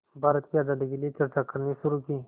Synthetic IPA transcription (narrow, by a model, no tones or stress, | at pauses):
baːɾət̪kiad̪aːd̪ikeliet͡ʃɐɾt͡ʃakɐɾniʃʊɾuːkiː